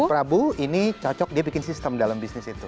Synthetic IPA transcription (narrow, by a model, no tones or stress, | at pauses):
pɾabuinit͡ʃɔt͡ʃɔk̚diabikɪnsist̪əmdalambisnɪsit̪u